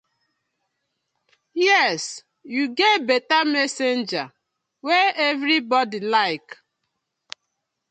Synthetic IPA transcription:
jɛs | juɡetbɛtamɛsend͡ʒa | weɛvɾibɔdilaɪk

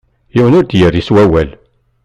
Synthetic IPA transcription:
jiwənʊɾd̪jəɾiswæwæl

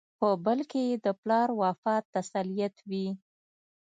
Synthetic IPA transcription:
pəbəlkejed̪əplɑɾwɑfɑt̪ːasalijat̪wi

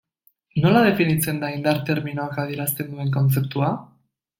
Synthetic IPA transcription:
no̞laðe̞finit͡se̞nd̪aind̪aɾt̪e̞ɾminoakað̞ie̞ɾast̪e̞nd̪ue̞ŋko̞nt͡se̞p̚t̪ua

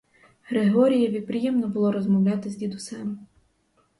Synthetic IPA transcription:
ɦɾeɦɔɾʲijɐʋʲid̪̚pɾɪjɛmnɔbʊlˠɔɾɔzmɔwlʲɑt̪ɪzʲd̪ʲid̪ʊsɛm

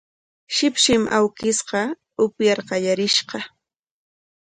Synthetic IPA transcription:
ʃɪpʃɪmʔa̰wkɪsqɑ | ʊpjɑɾqɑjaɾɪʃɢɑ

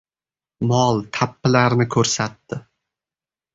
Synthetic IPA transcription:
mɒlˠt̪ʰapːɪlaɾnɪkʰɵɾsat̪ːɪ

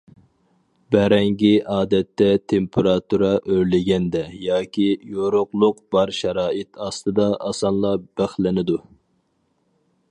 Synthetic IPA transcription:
bɛɾɛŋɡʲiʔɑːd̪ɛt̪ːɛt̪ʰempʰeɾɑt̪uɾɑʔøɾlɪɡʲɛnd̪ɛjɑːkʲʰijoɾʊqlˠʊqb̥ɑɾʃɛɾɑːɨt̪ʰɑst̪ɨd̪ɑɑsɑnlˠɑb̥æχlɪnɪd̪u

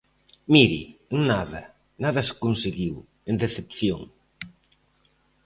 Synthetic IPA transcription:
miɾḭŋnaðɐ | naðɐse̥konseɣiw | end̪eθepθjoŋ

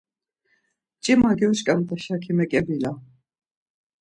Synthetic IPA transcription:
t͡ʃʼimaɡɛʃkʼamt̪ʼɛʃakʰimɛkʼɛbila

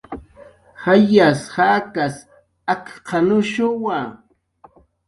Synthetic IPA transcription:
hajashakas | akqʰɑnʊʃʊwa

